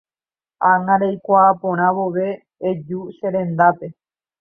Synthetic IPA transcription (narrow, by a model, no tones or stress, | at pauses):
aŋãɾejkʷaːpõɾ̃ãʋoʋe̞ː | d͡ʒuʃẽɾẽ̞nd̪ape̞